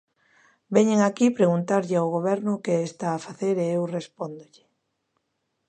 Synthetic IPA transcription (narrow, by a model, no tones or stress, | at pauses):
bɛɲeŋakipɾeɣunt̪aɾʎɪaʊɣ̞oβ̞ɛɾnʊkeest̪aːfaθeɾeewrespond̪ʊʎɪ